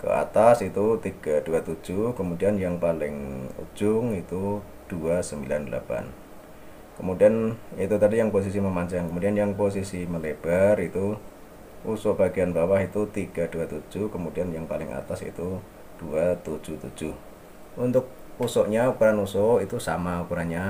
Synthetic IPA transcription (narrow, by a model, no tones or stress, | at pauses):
kə̰a̰t̪asit̪ut̪iɡ̥aduat̪u̥d͡ʒ̥ʊhkəmudianjaŋpalɪŋṵ̥d͡ʒ̥ʊŋit̪u | d̥uasəmbilandəla̰pa̰n | kəmudianit̪ut̪adijaŋpos̬is̬iməmaɲt͡ʃaŋkəmudianjaŋpos̬isiməleb̥arit̪u | usɔʔb̥aɡianbawahit̪ut̪iɡ̥ad̥uat̪u̥d͡ʒ̥ʊhkəmud̥ianjaŋpalɪ̰ŋʔa̰t̪asḭt̪u | d̥uat̪u̥d͡ʒ̥uht̪u̥d͡ʒ̥ʊh | unt̪ʊk̚ | usɔʔɲaukuɾanusɔit̪usa̰maukuɾaɲa